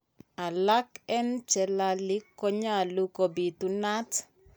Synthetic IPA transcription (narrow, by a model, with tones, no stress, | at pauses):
a˨la˦kɛ˦nt͡ʃɛ˨la˨lɪ˦kːɔ˦ɲa˦˨lu˦ko˨bi˨tu˨na˦t